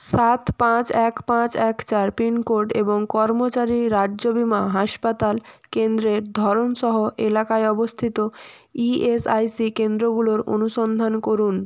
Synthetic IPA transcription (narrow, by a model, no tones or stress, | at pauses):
ʃat̪pãt͡ɕɛkpãt͡ɕɛkt͡ɕaɾpinkoɾɖḛboŋkɔɾmot͡ɕaɾiɾaobimaɦaʃpat̪alkend̪ɾeɾd̪ʱɔɾonʃɔɦoʔelakaeɔbost̪ʰit̪o | iesajsikend̪ɾoɡuloɾo̰nuʃɔnd̪ʱankoɾun